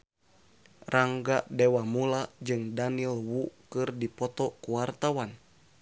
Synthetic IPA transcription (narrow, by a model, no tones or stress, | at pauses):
rʔaŋɡaʔdɛwamulad͡ʒɨŋdanilwukɨrdipɔt̪ɔkuwart̪awan